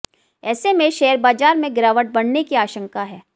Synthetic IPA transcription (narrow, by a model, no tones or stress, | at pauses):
ɛːsemẽʃɛːəɾbaːd͡ʒaːɾmẽɡɪɾaːʋəʈ̚bɐɽnekiaːʃə̃ŋkaɦɛː